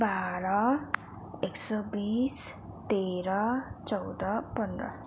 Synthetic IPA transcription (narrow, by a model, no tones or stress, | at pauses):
baɾʌ | eksɔbis | t̪eɾʌt͡sʌwd̪ʌpʌnd̪ɾʌ̰